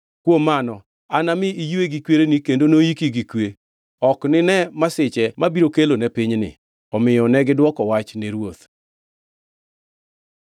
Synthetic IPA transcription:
kwomːanɔ | anamɪijeɡikweɾenikendonojikiɡikwe | ɔknɪnɛmasɪt͡ʃɛmabiɾokelonɛpɪɲnɪ̰ | ɔmɪjɔnɛɡɪdwɔkɔwat͡ʃneɾwot̪

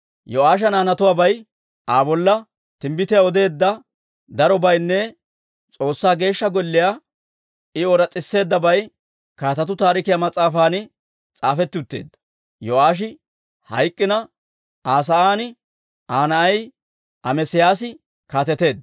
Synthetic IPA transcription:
jɔaːʃ̬ɐnaːnɐt̪ʊwaːbɐj | ʔaːbɔlːɐ | t̪ɪmbɪt̪ɛjaɔd̪e̞ːd̪ːɐ | d̪ɐɾɔbɐjnːɛ | t͡sʼo̞ːsːaːɡe̞ːʃːɐɡɔlːɪja | ɪɔɾɐt͡sʼːɪsːe̞ːd̪ːɐbɐj | kaːt̪ɐt̪ʊt̪aːɾɪkɪjamɐt͡sʼaːfaːnɪ | t͡sʼaːfɛt̪ːɪʊt̪ːe̞ːd̪ːɐ̥ | jɔaːʃ̬ɪ | hɐjkʼːɪnɐ | aːs̬ɐaːnɪ | aːnɐɐj | ʔɐmɛsɪjaːs̬ɪ | kaːt̪ɛt̪e̞ːd̪

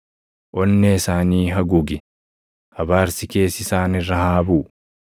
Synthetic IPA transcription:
ʔɔnːeɪsaːniːɦɐɡʊɡɪ | hɐbaːɾsɪke̞ːsɪsaːnɪrːɐhaːbuː

